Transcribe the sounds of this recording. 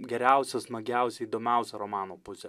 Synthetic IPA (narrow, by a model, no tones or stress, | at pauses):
ɡʲɛɾʲæˑʊsʲɛsmɐɡʲɛˑʊsʲɛiːd̪oːmʲɛˑʊsʲɛɾomɑːnoːpʊsʲɛ